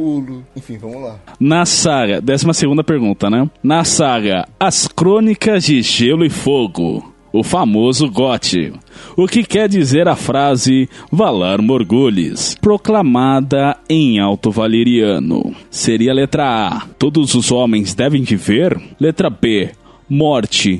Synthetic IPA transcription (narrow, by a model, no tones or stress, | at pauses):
ulẽfĩvɐmʊlanɐsaɡɐd̪ɛsimɐseɡũnd̪ɐpeɾɡũnt̪ɐnɛ̃nɐsaɡɐ̰ɐskɾõnikɐzd͡ʒɪʒelʊɪfoɡʊ̰ | ʊfamozʊɡɔt͡ʃɪ̰ʊkɪkɛɾd͡ʒizeɾɐfɾazɪvalaɾmoɾɡuʎɪ̰spɾoklamad̪ɐẽj̃awt̪ʊvaleɾiɐ̰̃nʊ̰seɾiɐlet̪ɾɐa̰t̪od̪ʊzʊzõmẽj̃zd̪ɛvẽj̃d͡ʒɪveɾlet̪ɾɐbe | mɔɾt͡ʃɪ